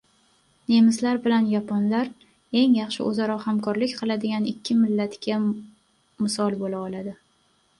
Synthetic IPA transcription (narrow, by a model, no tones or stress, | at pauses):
ne̞mɪslaɾbɪlanjapʰonlaɾ | e̞ŋjɑχʃɪ̰ʔozaɾɒhamkʰɒɾlɪkʲqʰɨlˠad̪ɪɡʲanɪkʲʰːɪmɪlːat̪kʲa | mɪsɒlˠbolaɒlad̪ɪ